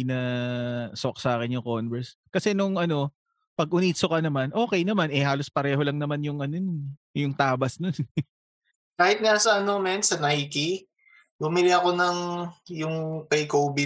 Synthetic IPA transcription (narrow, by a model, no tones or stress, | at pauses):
nɐ | sok̚saːkɪnjʊŋkonbɛɹskɐsɛnʊŋʔɐno̞ | pɐɡ̚ʔʊniːsokɐnɐmanʔo̞ːkɛjnɐmanʔɛhaːlo̞spɐɾɛːɦo̞lɐŋnɐmanjʊŋʔɐnonjʊŋt̪aːbɐsnon | kaːhɪt̪̚nasɐʔɐnomɛnsɐnajki | bʊmɪlɪɐko̞nɐŋjʊŋpɐjkoːbɪ